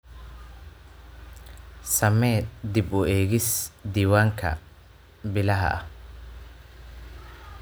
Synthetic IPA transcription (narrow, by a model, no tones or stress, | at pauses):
sɐmɛːd̪ɪbʊɛːɣɪsd̪iːwaːŋkʰɐ̰ | bɪlɐɦɐ̰ʔɐ̰